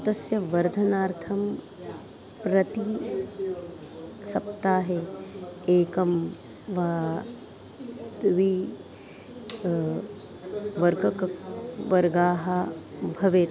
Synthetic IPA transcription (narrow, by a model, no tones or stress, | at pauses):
ɐt̪ɐsjɐʋɐɾd̪ʱɐnaːɾt̪ʰɐm | pɾɐt̪i | sɐpt̪aːɦe | eːkɐm | ʋaː | t̪ʋi | ʋɐɾɡɐkʋɐɾɡaːɦɐbʱɐʋeː